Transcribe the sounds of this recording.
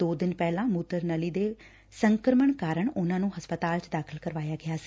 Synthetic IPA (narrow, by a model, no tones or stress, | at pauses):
oːd̪ɪnpɛːlãːmuːt̪əɾnəliːd̪eː | səŋkɾəməɳkaːɾəɳʊnãːnũːɦəspət̪aːlt͡ʃd̪aːkʰəlkəɾʋaːjaːɡɪaːsi̥